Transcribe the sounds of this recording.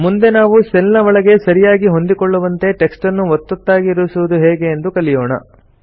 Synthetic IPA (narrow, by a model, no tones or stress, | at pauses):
mund̪e̞naːʋuselnɐʋɐɭɐɡe̞sɐɾijaːɡiɦo̞nd̪ikoɭːuʋɐnt̪e̞ʈe̞ksʈɐnːuʋɔt̪ːot̪ːaːɡiːɾuʋisuʋud̪uɦɛːɡe̞ːnd̪ukɐlijoːɳɐ̰